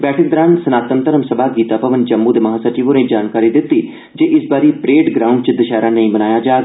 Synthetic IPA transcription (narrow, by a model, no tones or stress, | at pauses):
bɛːʈʰək̚d̪əɾaːnsənaːt̪ənt̪əɾəmsəbaːɡiːt̪aːpəʋənd͡ʒəmːũːd̪eːməɦaːsat͡ʃiʋoːnẽːd͡ʒaːnkaːɾiːd̪ɪt̪ːiː | d͡ʒeːʔɪsbaːɾiːpɾeːɖɡɾaːuɳɖt͡ʃd̪əʃaːɾaːnəĩːbənaːjaːd͡ʒaː